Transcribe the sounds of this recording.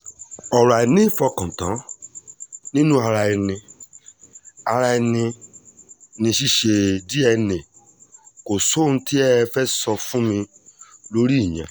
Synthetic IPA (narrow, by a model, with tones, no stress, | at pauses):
ɔ˨ɾa˨i˨nĩ˦fɔ˧kɔ̃˨tã˨˦ | nĩ˦nũ˦a˧ɾa˧i˧nĩ˧ | a˧ɾa˧i˧nĩ˧ | nĩ˧ʃi˦ʃe˧di˦ɛ˧nĩ˨ | ko˨so˦˨ñ̩˧ti˦ɛ˦fɛ˦sɔ˧fũ˦mĩ˧ | lo˦ɾi˦i˦˨ɲɛ̰̃˨